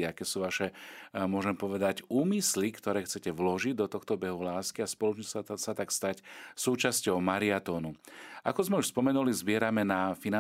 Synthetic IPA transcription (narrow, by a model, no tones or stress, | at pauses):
iakɛːsuːʋaʃɛmʊɔʒɛmpɔʋɛd̪acuːmislikt̪ɔɾɛːxt͡sɛcɛʋlɔʒiɟd̪ɔt̪ɔxt̪ɔbɛɦulaːskiaspɔlɔt͡ʃɲissat̪akst̪acsuːt͡ʃascɔʊmaɾiat̪ɔːnua̰kɔzmɛuʃspɔmɛnulizbɪɛɾamɛnafina